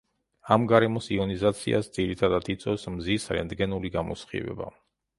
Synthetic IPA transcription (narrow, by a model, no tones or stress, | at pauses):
amɡaɾɛmɔsiɔnizat̪sʰiʔa̰sd̪ziɾit̪ʰad̪at̪ʰit̪sʼɛfsmzisɾɛ̰nd̪ɡɛnuliɡamɔ̰sχḭvɛ̰ba̰